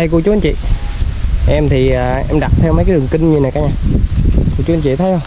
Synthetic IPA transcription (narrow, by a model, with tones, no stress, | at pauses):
ə˧jku˧˩t͡ɕu˨˦ə˧˦nt͡ɕḭ˧˨ | ʔɛ˧mt̪ʰi˨˩aː˨˩ʔɛ˧mɗa˨˩t̚t̪ʰɛ˧wmaə˨˦jkaː˨˦jɗɨ˨˩ŋkï˧ŋ̟ɲɨ˧na˨˩kaː˨˦ɲaː˧ku˧˩˨t͡ɕu˧˦˧nɲt͡ɕḭ˧˨t̪ʰəː˨˦jə˧w